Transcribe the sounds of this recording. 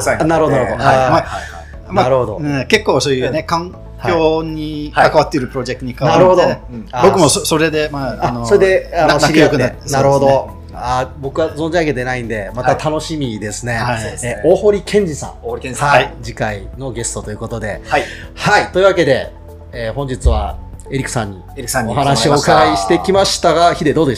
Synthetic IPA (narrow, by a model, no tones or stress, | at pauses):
naɾɯhod̪oɾooaama | maaɾɯhod̪oɯ̃ke̞kːo̞ːsoːjɯne̞kãŋ | kʲo̞ːɲ̟ikakaβat̪ːe̞iɾɯ̟pɯɾo̞d͡ʑe̞k̚ɯɲikaβnaɾɯod̪õbo̞kɯ̟mo̞soso̞ɾe̞d̪e̞maanosoɾed̪eanakɯjokɯ̟nat̪ːsnaaɾɯ̟hod̪o | abo̞kɯ̟βazond͡ʑiaked̪enaĩnd̪e̞mat̪at̪ʰano̞ɕimʲid̪e̞sɨne̞ːoːho̞ɾʲikʰẽ̞ɲ̟d͡ʑisã̰ŋhaid͡ʑikaino̞ɡe̞sɨ̥t̪o̞t̪o̞iɯ̟ko̞t̪od̪e̞̰aj | hait̪o̞iɯ̟βake̞d̪e̞ | eːhõ̞ɲ̟d͡ʑit͡sɨβa̰e̞ɾʲikɯ̥sãɲ̟ːḭ | oɦanaɕio̞ːkaɡaiɕi̥t̪e̞kʲimaɕi̥t̪aɡaçid̪e̞d̪o̞ːd̪e